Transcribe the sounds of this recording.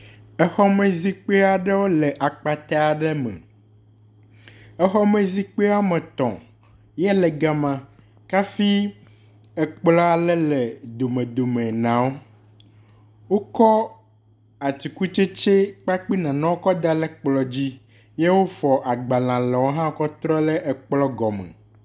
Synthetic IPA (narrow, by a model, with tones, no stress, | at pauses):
ɛ˨xɔ˦me˨zi˦k͡pe˦a˨ɖɛ˦wo˦lɛ˨ʔa˨k͡pa˨t̪a˦a˨ɖɛ˦mɛ̰̃˨ | ɛ˦xɔ˦mẽ˨zi˦k͡pe˦a˦mɛ̃˨t̪ɔ̰̃˨ | jɛ˦lɛ˨ɡa˨mã˨ | ka˦fi˦ | ɛ˨k͡plɔ˦a˨lɛ˦lɛ˨d̪o˨mẽ˨d̪o˨mɛ̃˨nã˨˦wo˦ | wo˦kɔ˦ | a˨t͡ɕi˨ku˦t͡ʃe˦t͡ʃe˦k͡pa˦k͡pi˦nã˨nã˦wo˦kɔ˦d̪a˨lɛ˦k͡plɔ˨d͡ʑi˦ | je˦wo˦fɔ˨ʔa˨ɡ͡ba˨lã˨lɛ˨wo˦ɦã˦kɔ˦t̪ɾɔ˦lɛ˦ʔɛ˨k͡plɔ˦ɡɔ˨mɛ̰̃˨